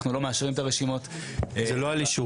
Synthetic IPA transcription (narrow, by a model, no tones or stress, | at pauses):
χnulo̞meaʃʁimetaʁeʃimo̞tzeloaliʃu